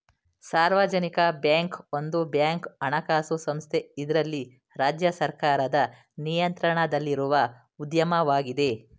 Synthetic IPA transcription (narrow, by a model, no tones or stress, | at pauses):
saːɾʋad͡ʒɐnikɐbjaːŋkond̪ubjaːŋkɐɳɐkaːsusɐmst̪ʰe̞id̪ɐɾɐlːi | ɾaːd͡ʒjɐsɐɾkaːɾɐd̪ɐ | nijɐnt̪ɾɐɳɐd̪ɐlːiɾuʋɐ | ud̪jɐmɐʋaːɡid̪e̞